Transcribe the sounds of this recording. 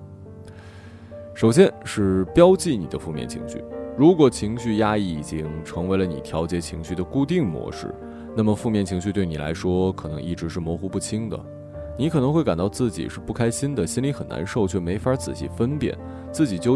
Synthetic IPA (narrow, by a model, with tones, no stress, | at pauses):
ʂo˨˩ʊɕjɛ˥nʂɻ̩˥˩pjɑ˥ʊt͡ɕi˥˩ni˨˩d̪ə˦fu˥˧mjɛ̰˥˩nt͡ɕʰḭ˧˥ŋɕy̰˥˩ɻu˧˥kwɔ˨˩t͡ɕʰi˧˥ŋɕy˥˧ja˥i˥˩i˨˩t͡ɕi˥ŋʈ͡ʂʰɤ˧˥ŋwe˧˥ɪlə˧ni˨˩t̪ʰjɑ˧˥ʊt͡ɕjɛ˧˥t͡ɕʰi˧˥ŋɕy˥˩d̪ə˩ku˥˧t̪̬i˥˩ŋmwɔ̰˧˥ʂɻ̩̰˥˩ | na˥˩mə˩fu˥˧mjɛ˥˩nt͡ɕʰi˧˥ŋɕy˥˧t̪we˥˩ɪni˨˩la̰˧˥ɪʂwɔ˥kʰɤ˨˩nɤ˧˥ŋʔi˥˩ʈ͡ʂɻ̩˧˥ʂ̬ɻ̩˥˩mwɔ˧˥xu˧˥pu˥˩t͡ɕʰi˥ŋd̪ə̰˨ | ni˧˥kʰɤ˨˩nɤ˧˥ŋxwka˨˩nt̪ɑ˥˧ʊt͡sɹ̩˥˩t͡ɕḭ˨˩ʂɻ̩˥˧pu˥˩kʰa˥ɪɕi˥nd̪ə˨ɕi˥nli˧˥xə˨˩na̰˧˥nʂo˥˩ʊt͡ɕʰɥɛ˥˩me˧˥ɪfa˧˥t͡sɹ̩˨˩ɕḭ˥˩fə˥npjɛ̰˨˩˦n | t͡sɹ̩˥˩t͡ɕi˨˩t͡ɕjo˥˧